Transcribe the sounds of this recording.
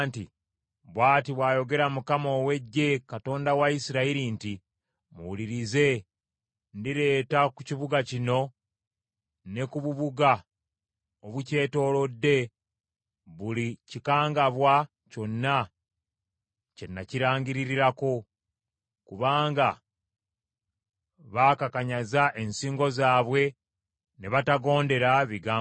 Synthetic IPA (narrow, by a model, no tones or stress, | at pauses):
nti | βwaːtiβwaːjo̞ɡe̞ɾamukamo̞ːwe̞ɟːe̞kato̞ːndawaisiɾaiɾinti | mṵwuliɾize̞ | ndiɾe̞ːtakuciβuɡacino̞ | ne̞kuβuβuɡa | oβuce̞ːto̞ːlo̞dːe̞ | βulicikaːŋɡaβwa | co̞nːa | ce̞nːaciɾaːɲɡiɾiɾiɾako̞ | kuβaːŋɡa | βaːkakaɲazaʔensiːŋɡo̞zaːβwe̞ | neβataɡo̞ːnde̞ɾaβiɡaː